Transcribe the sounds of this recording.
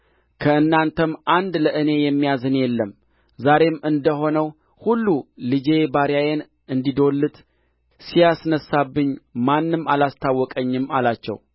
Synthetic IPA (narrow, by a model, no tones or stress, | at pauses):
kʰəɨnːant̪ʰəmʔand̪ləʔɨne̞jɛmːijazɨnjɛlːəm | zaɾe̞mɨnd̪əɦo̞nəw | hulːulɨd͡ʒe̞baɾjajen | ɨnd̪id̪o̞lːɨt̪ | sijasnəsabːɨɲmanːɨmalast̪ʰawːɔkʼəɲːɨmalat͡ʃːɛ̰w